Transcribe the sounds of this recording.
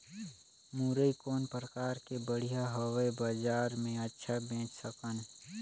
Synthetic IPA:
muːɾəikoːnpɾəkaːɾkebəɽ̤ijaɦəwebaːd͡ʒaːɾmẽətːʃʰabẽːt͡ʃsəkən

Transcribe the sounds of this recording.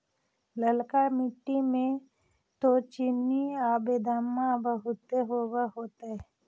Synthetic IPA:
ləlkamɪʈːimẽ | t̪ot͡ʃɪnːiaːbed̪aːmːãbəɦʊt̪eɦoːɡaɦoːt̪aɦɛ

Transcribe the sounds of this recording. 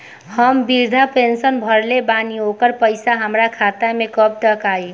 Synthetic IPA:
həmbiɾd̪ʱapensənbʱəɾlebaniokəɾpəɪsaɦəmɾakʰat̪amẽkəp̚ʈəkaːi

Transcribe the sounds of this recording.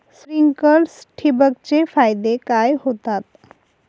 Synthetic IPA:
sɾiŋkəlsʈʰibək̚t͡ɕefajd̪ekajɦot̪at̪

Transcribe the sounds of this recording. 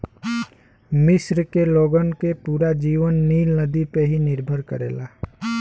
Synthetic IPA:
mɪsɾkeloːɡənkepuːɾad͡ʒiːʋənːiːlnəd̪ipeɦinɪɾbʱəɾkəɾḛːlaː

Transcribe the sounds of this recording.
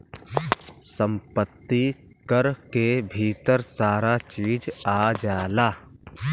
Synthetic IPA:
sə̃mpət̪ːi | kəɾkebʱiːt̪əɾsaːɾat͡ʃiːd͡ʒaːd͡ʒaːlaː

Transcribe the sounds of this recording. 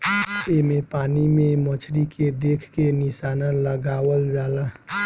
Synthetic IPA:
emẽpaːnimẽmət͡ʃʰɾikʰed̪eːkʰkenɪʃaːnaləɡaːwəld͡ʒaːla

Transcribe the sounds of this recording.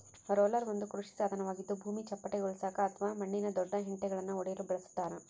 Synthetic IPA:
ɾoːlɐɾʋɐnd̪ukɾuʂi̥saːd̪ʱɐnɐʋaːɡid̪ːubʱuːmit͡ʃɐpːɐʈːɐɔɭsaːkɐːt̪ʰɐʋaːmɐɳːinɐd̪ɔɖːɐɦɪɳʈɛɡɐɭɐnːɐɔɽɐjɐlubɪɭɐsu̥t̪ːaːɾɐ

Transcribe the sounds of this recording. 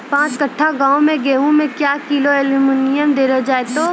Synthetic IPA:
pãːt͡ʃkɐʈʰːaɡãːõmẽɡeːũmẽkjaːkiloɛluminɪjəmd̪eːɾəd͡ʒaːet̪o

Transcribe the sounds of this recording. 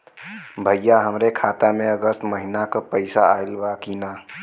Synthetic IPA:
bʱəjːaɦəmɾekʰat̪ameəɡəst̪məɦinakəpəɪsaajlbakina

